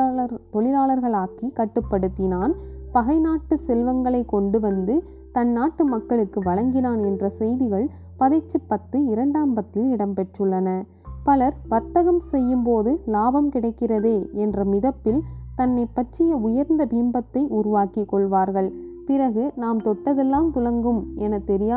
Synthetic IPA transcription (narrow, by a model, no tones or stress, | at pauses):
t̪ɔlɪlaːlɐɾɣɐɭaːkikɐʈːɯpːɐɽɯt̪ːɪnaːnpɐɣɐɪnaːʈːɯsɛlʋɐŋɡɐɭɐɪkːɔɳɖɯʋɐnd̪ɯ | t̪ɐnːaːʈːɯmɐkːɐɭɯkːɯʋɐɭɐŋɡɪnaːnɛndrɐsɛjðɪɣɐɭ | pɐðɪt͡ʃːɯpːɐt̪ːɯɪɾɐɳɖaːmpɐt̪ːɯlɪɽɐmpɛʈrɯɭːɐnɐ | pɐlɐɾʋɐɾt̪ːɐɣɐmsɛjːɯmpoːðɯlaːbɐmkɪɽɐɪkːɪrɐðeːɛndrɐmɪðɐpːɪlt̪ɐnːɐɪpːɐʈt͡ʃːɪjɐʊjɐɾnd̪ɐbiːmbɐt̪ːɐɪʔʊɾʊʋaːkikːɔɭʋaːɾɣɐɭpɪɾɐɣɯnaːmt̪ɔʈːɐðɛlːaːmt̪ʊlɐŋɡɯmɛnɐt̪ːɛɾɪjaː